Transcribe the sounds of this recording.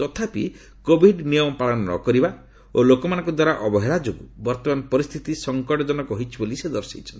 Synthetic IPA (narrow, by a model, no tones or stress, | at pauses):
t̪ɔt̪ʰapḭ | kobʱiɖnijɔmɔpaɭɔnɔnɔ̰kɔɾiba | olokɔmanɔ̃ŋkɔd̪waɾaʔɔbɔɦeɾad͡ʒoɡubɔɾt̪ɔmanɔpɔɾist̪ʰit̪isɔŋkɔʈɔd͡ʒɔnɔkɔɦit͡ʃʰibolised̪ɔɾsḭt͡ʃʰɔn